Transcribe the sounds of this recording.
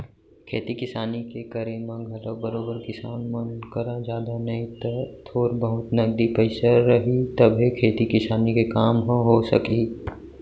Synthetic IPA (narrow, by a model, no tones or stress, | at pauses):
kʰeːt̪ikɪsaːnikekɐɾemãɡʱɐlobɐɾoːbəɾkɪsaːnmɐnkəɾãd͡ʒjaːd̪anɐit̪ət̪ʰoːɾbəɦʊt̪nɐɡd̪ipəɪsaɾɐɦit̪ɐbʱekʰeːt̪ikɪsaːnikekaːmɦoɦosɐ̰ki